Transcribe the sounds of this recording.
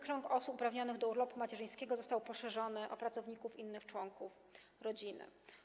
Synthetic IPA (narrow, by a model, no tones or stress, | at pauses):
kɾɔŋkɔsupupɾavɲɔnɘɣd̪ɔuɾlɔpumat͡ɕɛʐɘj̃skʲɛɡɔzɔst̪awpɔʂɛʐɔnɘʔɔ̰pɾat̪sɔvɲikufinːɘxt͡ʂwɔŋkuf | ɾɔd͡ʑinɘ̰